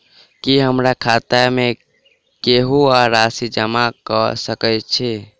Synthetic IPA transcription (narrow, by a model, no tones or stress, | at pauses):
kiɦəmɾakʰat̪ame | keɦuaɾasid͡ʒəmakəsəkəjt͡ʃʰɛ